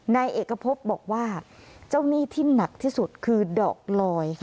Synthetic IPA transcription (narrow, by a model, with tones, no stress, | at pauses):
na˧jʔeː˨˩kːɾa˧pʰo˦˥p̚bɔː˨˩k̚waː˥˩t͡ɕa˥˩wniː˥˩t̪ʰiː˥˩na˨˩k̚t̪ʰiː˥˩su˨˩t̪̚kʰɯː˧dɔ̰ː˨˩k̚lɔː˧jkʰ